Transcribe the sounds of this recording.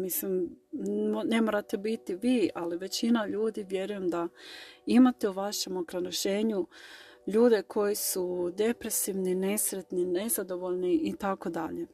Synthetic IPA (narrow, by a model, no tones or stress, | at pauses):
mislim | ne̞moːɾat̪e̞bit̪iʋiːaliʋe̞t͡ɕinaʎuːd̪iʋje̞ɾuje̞md̪aimat̪euʋaʃe̞mokɾanoʃe̞ːɲu | ʎuːd̪e̞kʰo̞jisud̪e̞pɾe̞siʋnine̞sɾe̞t̪nine̞zad̪o̞ʋo̞ʎniʔit̪ako̞d̪aʎe̞